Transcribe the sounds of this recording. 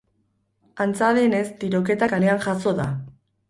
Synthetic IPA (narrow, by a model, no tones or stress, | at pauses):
ant͡saðe̞ne̞st̪iɾo̞ke̞t̪akaɾeaŋʝaso̞ða